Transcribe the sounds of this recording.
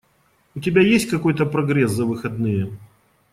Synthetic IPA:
ʊtʲɪbʲajesʲtʲkɐko̞jt̪əpɾɐɡɾʲɛszɐvɨxɐd̪nɨjə

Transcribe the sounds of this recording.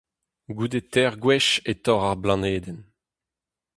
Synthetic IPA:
ɡud̪etɛʁɡwɛʃet̪ɔʁaʁblɑ̃neːd̪ɛn

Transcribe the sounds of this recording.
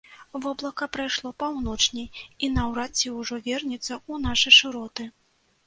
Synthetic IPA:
vɔblˠɐkɐpɾajʂlˠɔpawnɔt͡ʂnʲɛjinɐwɾat͡sʲːiwʐɔvʲɛrnʲit̪sːɐunaʂɨʂɨɾɔt̪ɨ

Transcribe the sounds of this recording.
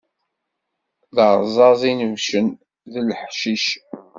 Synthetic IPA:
ðəʁˤzˤɑzˤinəvʃən | ðəlħʃiʃ

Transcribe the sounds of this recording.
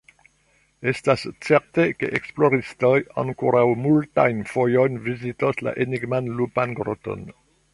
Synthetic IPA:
e̞stast͡seɾteke̞̰ʔeksploɾistoja̰ŋkoɾawmultajnfo̞jojnvizitosla̰ʔeniɡmanlupanɡɾoto̰n

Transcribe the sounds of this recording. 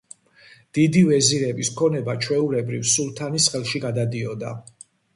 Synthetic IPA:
d̪̥id̪ivɛziɾɛbiskʰɔnɛbat͡ʃʰwɛuɾɛbɾivsulˠt̪ʰanisχɛlˠʃiɡad̪ad̪iɔd̪a̰

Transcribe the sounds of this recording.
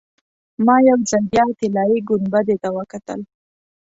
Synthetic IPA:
mɑjawzanbjɑt̪ɪlɑjiɡʊnbad̪et̪awəkat̪ə̰l

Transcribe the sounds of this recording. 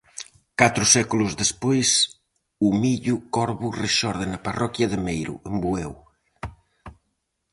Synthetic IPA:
kat̪ɾʊsɛkulʊzðespojs | umiʎukɔɾβureʃɔɾðɪnɐparɔkjɐðɪmejɾʊ̰embuew

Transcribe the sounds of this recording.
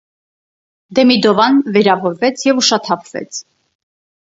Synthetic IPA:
d̪ɛmid̪ɔvɑnvɛɾɑvɔɾvɛt͡sʰjɛvuʃɑt̪ʰɑpʰvɛ̰t͡sʰ

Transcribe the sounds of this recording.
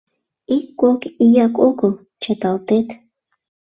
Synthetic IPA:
ikːokijɑkoɡəlˠ | t͡ʃət̪ɑlt̪et̪

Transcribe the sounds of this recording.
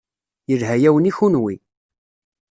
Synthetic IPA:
jəlɦæjæwəniçunwi

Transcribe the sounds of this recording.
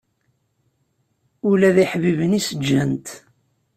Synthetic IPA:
ʊlæðiħvivənisəd͡ʒːənt̪

